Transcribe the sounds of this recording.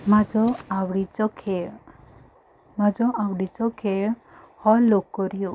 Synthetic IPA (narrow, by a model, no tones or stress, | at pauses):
mad͡ʒɔawɽit͡ʃɔkʰe | mad͡ʒɔʔawɽit͡ʃɔkʰeɭ | hɔlokːɔɾijo